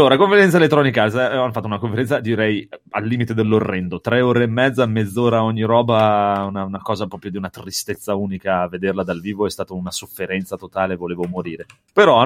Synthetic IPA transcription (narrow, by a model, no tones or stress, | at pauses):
lːoːɾakoɱfeɾɛnt̪saelet̪ːɾɔːnikaasaanːofat̪ːounakõɱfeɾɛnt̪sad̪iɾɛjalːiːmit̪ed̪elːorːɛnd̪ot̪ɾɛoːɾeːmːɛd̪zaamːed̪zːoːɾaɔɲːiɾɔːbaunaunakɔːzapɾɔːpɾjod̪iunat̪rist̪et̪sːauːnikaːved̪erlad̪alviːvoɛst̪aːt̪ounasofːeɾɛnt̪sat̪ot̪aːlevoleːvomoɾiːɾe | peɾɔa